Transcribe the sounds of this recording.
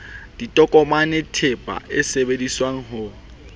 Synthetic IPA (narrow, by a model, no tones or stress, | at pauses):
d̥itʼɔkʼɔmanɪtʰepʼa̰ʔɪsebediswaŋ̩ɦʊ